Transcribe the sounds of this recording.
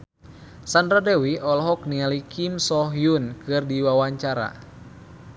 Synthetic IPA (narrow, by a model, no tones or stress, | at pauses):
sandɾadɛwiʔɔlɦɔk̚nialikimsɔɦjunkɨrdiwawaɲt͡ʃaɾa̰